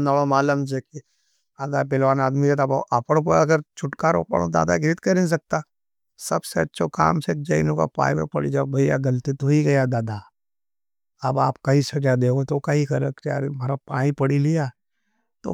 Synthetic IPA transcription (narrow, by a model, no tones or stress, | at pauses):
naɭomaːləmd͡ʒeki | aːd̪abɪlʋaːnaːd̪mid͡ʒet̪abaʔɐpəɽp̬ɐɡəɾt͡ʃʰʊʈkaːɾo̰pə̰ɽo̰d̪a̰ːd̪a̰ɡɾɪt̪kɐɾẽs̬ɐk̚t̪a | sɐbseɐtːʃʰoka̰ːmsek̚d͡ʒɐḭloka̰pã̰ːĩmḛpɐɽḭd͡ʒabʱɐja̰ɡɐlt̪it̪oiɡɐjad̪aːd̪a | ɐbaːpkaɦisɐd͡ʒad̪eːoet̪okɐɦikɐɾəkt͡ʃa̰ːɾemaːɾapãːĩpɐɽilijaː | t̪o̰